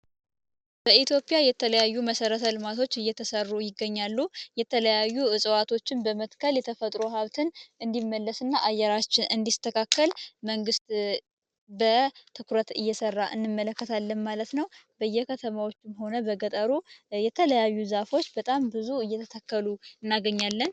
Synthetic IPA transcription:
b̥əʔit̪ʰjo̞pʼijajɛt̪ʰələjajːuməsəɾət̪ʰəlɨmat̪ʰo̞t͡ʃːɨjːɛt̪ʰəsərːujɪɡːəɲːalːujɛt̪ʰələjajːuɨsʼəwat̪ʰo̞t͡ʃːɪnbəmət̪kʰəljɛt̪ʰəfət̪ʼɾoɦaβt̪ʰɨnʔɨnd̪imːəlːəsɨnːaʔajːɛɾat͡ʃːɪnʔɨnd̪ist̪ʰəkʰakːəlməŋɡɨst̪ | bət̪ʰɨkʰuɾət̪ɨjːɛsərːaʔɨnːɨmːələkːət̪ʰalːənmalət̪nəwbəjːɛkʰət̪ʰəmawo̞t͡ʃːɪmho̞nəbəɡət̪ʼəɾujɛt̪ʰələjajːuzafo̞t͡ʃːbət̪ʼambɨzuɨjːɛt̪ʰət̪ʰəkʰːəluɨnːaɡəɲːalːən

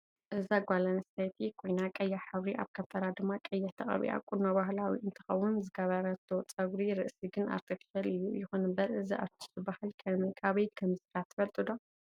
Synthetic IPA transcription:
ʔɨzaɡʷalɐnsajt̪ʰikʰo̞jnakʼɐjːaħɨβɾiʔa̰βkʰɐft̪ʰɐɾad̪ɨmːakʼɐjːat̪ʰɐχʼɐ̰βḭʔa̰kʼunːoβahlawḭʔɨnt̪ʰɨ̥xɐwːunzɨɡɐβɐɾɐt̪ʰot͡sʼɐɡɾiɾɨʔsiɡɨna̰ɾt̪ʰɐfi̥ʃɐlɨjːujɪxunɨmbɐɾɨziʔa̰βt̪ʰi̥zɨbahalkʰɐmɐjkʰaβɐjkʰɐmzɨɾat̪ʰːɨ̥fɐlt̪ʼɨd̪o̞

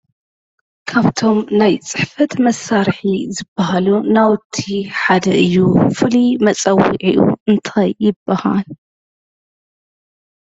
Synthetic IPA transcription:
kʰaβt̪ʰo̞mnajt͡sʼɨħfɐt̪mɐsːaɾħizɨbːaɦalunawt̪ʰːiħad̪ɐʔɨjːufɨlimɐt͡sʼɐwḭʕḭʔṵɨnt̪ʰajːɪbːaha̰l

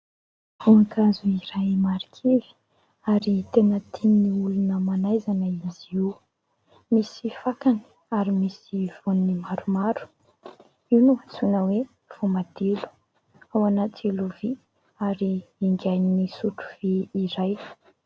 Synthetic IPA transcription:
vuakazuiɾajmaɾi̥kʰivi̥ | aɾit̪enət̪ʰinːiulunəmanajzanəiziw | misifakanə̥ | aɾimisiv̥onnimaɾumaɾu̥ | iwnuat͡sunəwe | v̥omad̪̥elu̥ | awanat̪iluvi | aɾiiŋɡajnnisuʈ͡ʂu̥v̥iiɾaj

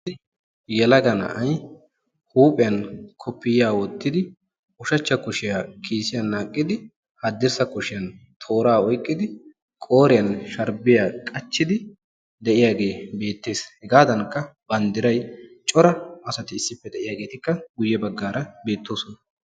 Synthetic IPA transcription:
jɛlɐɡɐnɐ̰ʔɐj | huːpʼɪjɐnkʰɔpːɪjaːwɔt̪ːɪd̪ɪ | ʊʃɐt͡ʃːɐkʊʃɪjaːkʰiːsɪjɐnːaːkʼːɪd̪ɪ | hɐd̪ːɪɾsɐkʊʃɪjɐnt̪ʰo̞ːɾaːɔjkʼːɪd̪ɪ | kʼo̞ːɾɪjɐnʃɐɾbɪjaːkʼɐt͡ʃːɪd̪ɪ | d̪ɛʔɪjaːɡe̞ːbe̞ːt̪ːe̞ːshɛɡaːd̪ɐnkːɐb̥ɐnd̪ɪɾɐjt͡ʃʼɔɾɐʔɐsɐt̪ɪɪsːɪpːɛd̪ɛʔɪjaːɡe̞ːt̪ɪkːɐɡʊjːɛbɐɡːaːɾɐbe̞ːt̪ːo̞ːsɔnɐ

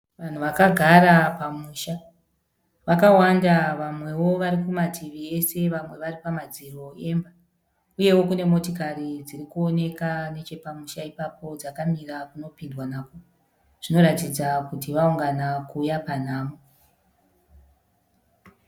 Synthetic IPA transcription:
ʋan̤uʋakaɡʱaɾapamuːʃa | ʋakawandaʋamwe̞wo̞ʋaɾikumatʰiʋie̞se̞ʋamwe̞ʋaripamad͡ziro̞e̞mba | uje̞wo̞kune̞mo̞tokaɾid͡zirikuo̞ne̞kane̞t͡ʃe̞pamuʃaipapo̞d͡zakamirakuno̞pindwanako | ʐ̥ino̞ɾatid͡zakutiʋauŋɡanakuːjapan̤aːmo

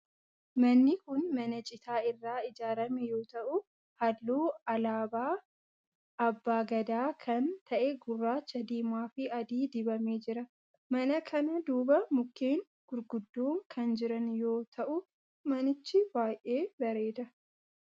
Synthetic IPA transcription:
mɐnːɪkʊnmɐnɐt͡ʃʼɪt̪aːɪrːaːɪd͡ʒaːɾɐmɛjo̞ːt̪ɐʔʊ | hɐlːoːɐlaːbaː | ɐbːaːɡɐd̪aːkʰɐnt̪ʰɐʔɛɡʊrːaːt͡ʃːɐd̪iːmaːfɪɐd̪iːd̪ɪbɐmeːd͡ʒɪɾɐ | mɐnɐkʰɐnɐd̪uːbɐmʊkːeːŋ | ɡ̥ʊɾɡʊd̪ːoːŋkʰɐnd͡ʒɪɾɐnjo̞ːt̪ʰɐʔʊ | mɐnɪt͡ʃːɪbaːjʔe̞ːbɐɾeːd̪ɐ

